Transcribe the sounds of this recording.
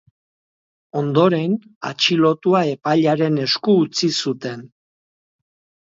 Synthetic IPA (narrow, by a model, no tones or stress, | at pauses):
o̞nd̪o̞ɾe̞na̰t͡ʃilo̞t̪uae̞paʎaɾe̞ne̞skuːt͡sisut̪e̞n